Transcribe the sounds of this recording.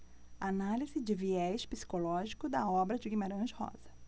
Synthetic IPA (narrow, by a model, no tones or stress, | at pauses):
analizɪd͡ʒɪviɛʃpi̥si̥kolɔʒikʊd̪ɐɔbɾɐd͡ʒɪɡimeɾɐ̃ʒɪhɔ̰z̥ɐ